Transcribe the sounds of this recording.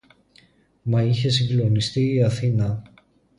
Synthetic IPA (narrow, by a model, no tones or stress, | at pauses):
mɐiçe̞siŋɡlo̞nist̪iːɐθinɐ